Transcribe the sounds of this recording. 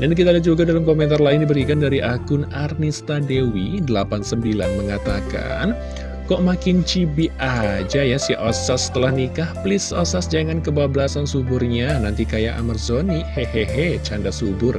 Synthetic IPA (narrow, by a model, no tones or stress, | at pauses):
dank̬it̪adad͡ʒuɡadalamkomɛnt̪arlaɪndibəɾikandaɾiʔakʊnarnist̪adewidəlapansəmbila̰nməŋat̪aka̰n | kɔʔmakɪnt͡ʃibiʔad͡ʒajasiʔɔsasə̥t̪əlahnikahplɪsɔsasd͡ʒaŋankəbabəlasansubʊrɲanant̪ikajaʔa̰mərzoniheheɦet͡ʃandasubʊr